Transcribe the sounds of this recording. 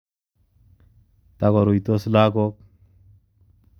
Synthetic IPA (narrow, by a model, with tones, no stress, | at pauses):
t̪a˨kɔ˨ɾu˨jt̪o˦sla˦ɡɔ˦k̚